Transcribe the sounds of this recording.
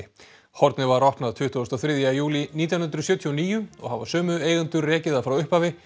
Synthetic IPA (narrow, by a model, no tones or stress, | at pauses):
hɔɾt̪nɪvaɾɔhp̪naðt̪ʰʏht̪ʏɔst̪aθɾɪðjajuːliniːt̪janʏnɾʏsjœːt̪ʰiɔniːjʏɔ̰ɣhavasœːmʏeːjɣant̪ʏɾrɛːcɪðaðfɾawʏhpavɪ